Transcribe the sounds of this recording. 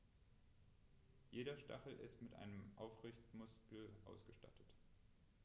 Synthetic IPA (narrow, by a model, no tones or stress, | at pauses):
jeːɾɐʃta̰χl̩ʔɪ̰stmɪtʔa̰ɪnəmʔa̰ʊfʁɪçtmʊskl̩ʔa̰ʊsɡ̥əʃta̰tʰə̥t